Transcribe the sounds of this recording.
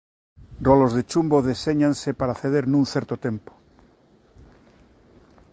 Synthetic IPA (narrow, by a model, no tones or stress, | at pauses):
rrolozðet͡ʃumboðeseɲãnsepaɾaθeðeɾnũnθeɾt̪ot̪e̞mpo̥